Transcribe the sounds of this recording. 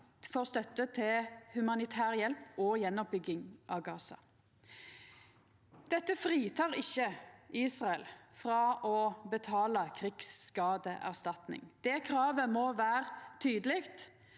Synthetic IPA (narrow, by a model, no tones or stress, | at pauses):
fɔʁst̪œt̪ːət̪ʰɪlhʉmɑnɪt̪ʰæːʁjɛlpɔjɛnːɔp̚bʏɡɪŋʔɑ̰ʋɡɑːsɑ̰ | d̪̥ɛt̪ːəfʁiːt̪ʰɑːʁɪçːəiːsʁɑɛlfʁɑʔɔbət̪ʰɑːləkʰʁɪkskɑːd̪əʔæ̰ʁst̪ɑt̪nɪ̰ŋd̪̥ɛːkʰɾɑːʋəmoːʋæːʁt̪ʰyːd̪əlɪkt̪